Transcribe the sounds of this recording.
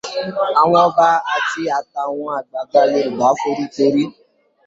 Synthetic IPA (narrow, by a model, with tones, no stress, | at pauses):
a˨w̃ɔ̃˧˦ba˦a˨ti˧a˧ta˨w̃ɔ̃˧a˨ɡ͡ba˨ɡ͡ba˧˦le˧˨ɡ͡ba˨˦fo˦ɾi˦to˧˦ɾi˦